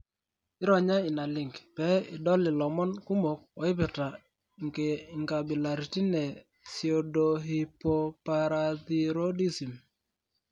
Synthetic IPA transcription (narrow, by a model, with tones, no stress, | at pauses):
ɪ˦ɾɔ˨ɲa˦ɪ˨na˨lɪ˨ŋɡpɛ˦ɪ˨dɔ˦lɪ˨lɔ˨mɔ˦nku˦mo˨k̚ɔ˨ɪ˦pɪ˨ta˨ | ŋɡe˨ŋɡa˨bi˨la˨ɾi˨ti˦nɛ˨ | si˨o˨do˨ɦi˨po˦pa˨ɾa˨ði˨ɾo˦di˦si˨m